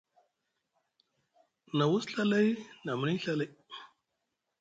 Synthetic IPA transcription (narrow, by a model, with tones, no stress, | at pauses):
na˨wu˦sɬa˦la˦jna˨m˦ni˦ɬa˦la˦j